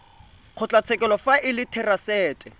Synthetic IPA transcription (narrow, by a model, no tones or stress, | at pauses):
q͡χʰʊt͡ɬʼat͡sʰɛkʼɛlɔfaʔɪlɪtʰɛrasɛːtʼɛ